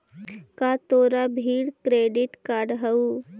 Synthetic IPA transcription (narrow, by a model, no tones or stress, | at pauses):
kat̪oːɾabʱiːɽkɾeːɖɪʈkaːɾɖɦəu